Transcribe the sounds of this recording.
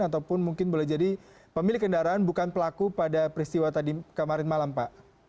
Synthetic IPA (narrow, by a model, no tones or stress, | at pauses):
at̪awpʊnmuŋkɪnbolɛhd͡ʒadi | pəmilɪkːəndaɾaanbukanpəlakupadapəɾist̪iwat̪adikəmaɾɪnmalampaʔ